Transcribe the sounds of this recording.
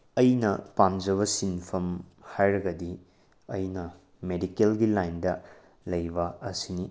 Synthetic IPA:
ɐjnɐ̰pamd͡ʒɐβɐsinpʰɐmhajɾɐɡɐdi | ɐjnɐ | medikelɡilajndɐ | lɐjbɐɐsini

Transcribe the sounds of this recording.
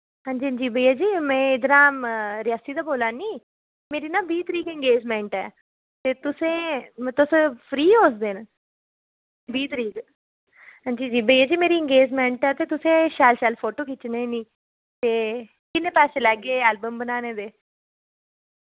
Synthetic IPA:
ɦãːɲd͡ʒiːəɲd͡ʒiːbəjːaːd͡ʒiːmɛ̃ːɪd̪nãːɾɪaːsiːd̪aːboːlãːniː | meːɾiːnãːbiːt̪əɾiːkɪ̃ŋɡeːd͡ʒmẽːɳʈɛ̰ː | t̪eːt̪ʊsẽːt̪ʊspʰɾiːɦoːsd̪eːn | biːt̪əɾiːk | ɦãːɲd͡ʒiːd͡ʒiːbəijaːd͡ʒiːmeːɾiːɪ̃ŋɡeːd͡ʒmẽːɳʈɛːt̪eːt̪ʊsẽːʃaːlʃaːlpʰoːʈoːkit͡ʃnẽːnĩː | t̪eː | kɪnːẽːpɛːseːlɛːɡeːɛːlbəmbənaːneːd̪eː

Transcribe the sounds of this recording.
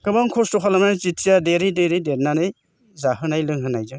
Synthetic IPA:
kɯbaŋkʰɔstɔpʰalamnazitʰːijadeɾideɾideɾnanɯj | zaɦɯnajlɯŋɦɯnajzɯ

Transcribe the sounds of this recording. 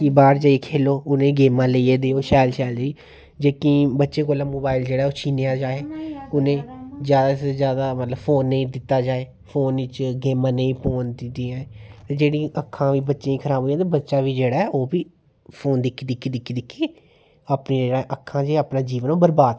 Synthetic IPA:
kibaːɾd͡ʒaːikʰeːloːʊnẽːɡeːmãːleieːd̪eːoːʃɛːlʃɛːld͡ʒiː | d͡ʒeːkĩːbətːʃeːkoːlãːmoːbaːɪld͡ʒeːɽaːɛoːt͡ʃʰiːnejãːd͡ʒaːeːʊnẽːzjaːd̪aːsezjaːd̪aːmət̪ləbfʰoːnːeĩːd̪ɪt̪ːaːd͡ʒaːeː | pʰoːnɪt͡ʃɡeːmãːnẽĩːpoːnd̪ɪd̪iːãːt̪eːd͡ʒeːɽĩːʔəkʰːãːʋiːbətːʃãĩːkʰəɾaːbʱoːjãːt̪abətːʃaːʋiːd͡ʒeːɽaːɛʔoːbiː | pʰoːnd̪ɪkʰːiːd̪ɪkʰːiːd̪ɪkːiːd̪ɪkʰːeː | aːpniːd͡ʒeːɽãʔəkʰːãːd͡ʒeːaːpnãːd͡ʒiːʋənõːbəɾbaːd̪

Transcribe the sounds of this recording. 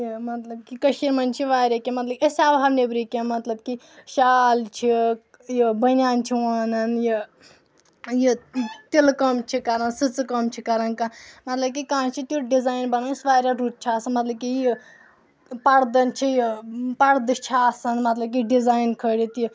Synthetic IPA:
jimɐt̪ləb̚kikəʃiɾmɐnt͡ʃʰiʋaːɾʲakemɐt̪ləbesaːbʱaːbnebɾikemɐt̪ləbki | ʃaːlt͡ʃʰi | jibənjaːnt͡ʃʰiwaːnɐnji | jit̪elkomt͡ʃʰikaɾənsɨt͡skɐmt͡ʃʰikaɾɐnkãmɐt̪ləb̚kikãːt͡ʃʰit̪uɖizaːjnbɐnansʋaːɾʲaɾut̪̚t͡ʃʰiaːsɐnmɐt̪lɐb̚kiji | pɐɾd̪ɐnt͡ʃʰijipɐɽd̪ɨt͡ʃʰiaːsɐnmɐt̪lɐb̚k̬iɖizaːjnkʰəɽit̪ji

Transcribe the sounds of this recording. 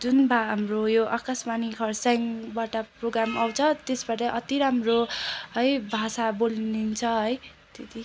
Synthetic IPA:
d͡zunbʱaɦamrojoʔakasmanikʰʌrsaŋbaʈaproɡɾamawt͡sʰʌt̪esbaʈʌʔʌt̪iɾamroʌjbʱasabolnint͡sʰʌɦʌj | t̪et̪i

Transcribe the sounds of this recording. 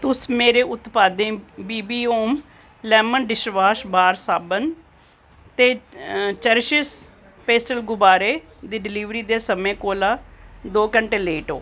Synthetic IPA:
t̪ʊsmeːɾeːʊt̪paːd̪ẽːbiːbiːoːm | lɛːmənɖɪʃʋaːʃbaːɾsaːbən | t̪eːt͡ʃəɾʃɪs | peːsʈəlɡʊbaːɾeː | d̪iːɖɪliːʋɾiːd̪eːsəmẽːkoːlaːd̪oːkəɳʈeːleːʈoː

